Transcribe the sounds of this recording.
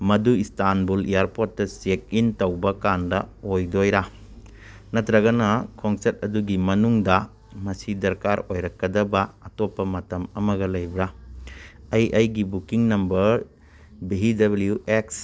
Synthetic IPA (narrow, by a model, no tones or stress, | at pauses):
mɐduistanbulḭjaɾpot̚ːɐsek̚intɐwbɐkandɐojdojɾa | nɐtɾɐɡɐnɐkʰoŋseɾt̚ɐduɡimɐnuŋdɐ | mɐsidɐɾkaɾojɾɐkːɐdɐbɐatopːɐmɐtɐmɐmɐɡɐlɐjbɾa | ɐjʔɐjɡibukiŋnɐmbɐɾ | beɦidɐbɐlijuʔeks